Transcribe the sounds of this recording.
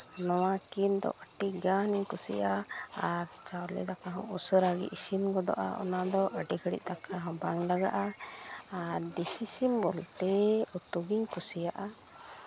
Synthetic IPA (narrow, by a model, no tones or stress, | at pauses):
nɔwakind̪ɔ̰ʔəʈiɡaniɲkusḭja | aɾt͡ʃawɾlḭd̪akaɦɔ̰̃usəɾaɡḭʔisinɡɔd̪ɔ̰ʔa̰ɔ̰nad̪ɔʔəʈikʰəɽḭʔ̚t̪akaɦɔ̃baŋlaɡa̰ʔa | aɖisisimbɔlt̪ɛut̪uɡiɲkusijaʔa